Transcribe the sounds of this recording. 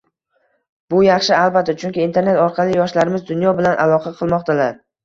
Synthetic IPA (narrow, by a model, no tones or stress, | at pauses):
bʊjɑχʃɪalˠbat̪ːat͡ʃʰʊŋkʲɪːnt̪ʰeɾne̞t̪ɒɾqʰɑlɪjɒʃlaɾɪmɪzd̪ʊnjɒbɪlanʔalˠɒqʰɑqʰɨlˠmɒqt̪ʰalaɾ